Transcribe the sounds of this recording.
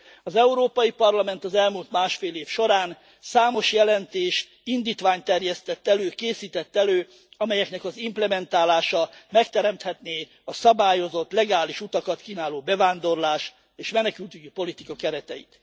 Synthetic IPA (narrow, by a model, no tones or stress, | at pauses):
ɒzɛuɾoːpɒjipɒrlɒmɛnt̪ɒzɛlmuːlt̪maːʃfeːleːfʃo̞ɾaːn | saːmo̞ʃjɛlɛnt̪eːʃ | ind̪iːt̪ʋaːɲt̪ɛrjɛst̪ɛt̪ːɛløːkeːsiːt̪ɛt̪ːɛløː | ɒmɛjɛknɛkɒzimplɛmɛnt̪aːlaːʃɒmɛkt̪ɛɾɛmt̪hɛt̪neː | ɒsɒbaːjo̞zo̞t̪ːlɛɡaːliʃut̪ɒkɒt̪kiːnaːloːbɛvaːnd̪o̞rlaːʃ | eːʃmɛnɛkylt̪yɟypo̞lit̪ikɒkɛɾɛt̪ɛjḭt̪